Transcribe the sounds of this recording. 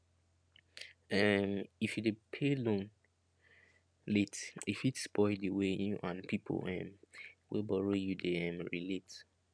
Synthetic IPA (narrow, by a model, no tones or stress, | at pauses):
ɛmifjudepʰelõn | letifitspʰɔɪldeweʔãnpipʰo̰lɛ̰̃mwḭlbɔɹojudeɛ̃mɹilet